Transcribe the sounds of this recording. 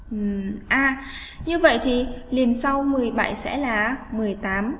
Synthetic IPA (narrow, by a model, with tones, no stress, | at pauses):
ʔʔaː˧˩ | ɲɨ˧və̰˧˨jt̪ʰi˨˩li˨˩ənsa˧wmɨ˨˩əjɓa̰˧˨jsɛ̰˧˥laː˨˩mɨ˨˩əjt̪aː˨˦m